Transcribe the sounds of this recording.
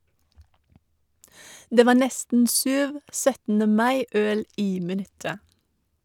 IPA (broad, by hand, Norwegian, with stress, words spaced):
ˈdeː ˈʋɑː ˈnɛstn̩ ˈsʉːʋ ˈsœtn̩ə ˈmɑɪ ˈœl ˈiː mɪˈnʉtə